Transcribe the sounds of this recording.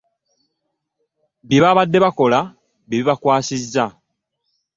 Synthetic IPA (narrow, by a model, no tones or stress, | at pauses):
biβaβadːe̞βako̞la | βiβiβakwaːsizːa